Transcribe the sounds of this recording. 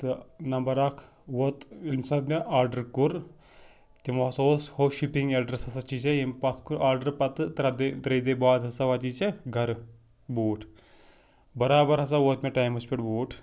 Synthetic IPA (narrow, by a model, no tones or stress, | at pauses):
t̪ɨnɐmbɐɾaːkʰ | ʋot̪ilmsɐt̪mʲeʔaːɾɖɐɾkuɾ | t̪imosoːshoːʃipiŋɡeɖɾesɐsɐt͡ʃit͡ʃɐjempɐt̪ʰkuɾaːɾɖɐɾpɐt̪ɨt̪ɾɐd̪t̪ɾɐd̪eːbaːd̪ɦɐsaʋɐt͡ʃiːt͡ʃɐɡʱɐɾ | boːʈʰ | bɐɾaːbɐɾɦɐs̬aʋot̪mʲeʈaːjmɐspʲiʈboːʈ